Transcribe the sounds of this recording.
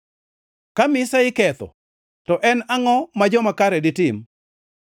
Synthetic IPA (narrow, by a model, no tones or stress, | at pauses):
kamɪsaɪkɛt̪ɔ̰ | tɔʔɛnaŋɔmad͡ʒɔmakaɾɛdɪtɪm